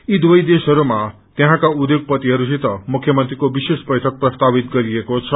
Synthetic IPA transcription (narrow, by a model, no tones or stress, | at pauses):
id̪wʌjd̪esɦʌɾuma | t̪jeɦãkaud̪joɡ̚pʌt̪iɦʌɾusʰit̪ʌmukʰːjʌmʌnt̪rikobisesbʌjʈʰʌk̚prʌst̪abit̪ɡʌɾiekot͡sʰʌ